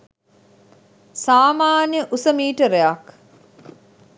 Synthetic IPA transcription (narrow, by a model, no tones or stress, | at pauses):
saːmaːnjəʔusəmiːʈəɾejak